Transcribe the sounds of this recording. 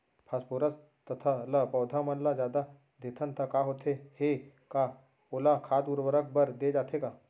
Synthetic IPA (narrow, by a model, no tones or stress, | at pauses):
pʰaspoːɾəs | t̪ɐt̪ʰalapɔːd̪ʱamənlad͡ʒjaːd̪a | d̪ʱeːt̪ʰənt̪ʰakaːɦoːt̪ʰehekaː | oːlakʰaːd̪uɾwəɾək̚bəɾd̪ed͡ʒaːt̪ʰeɡaː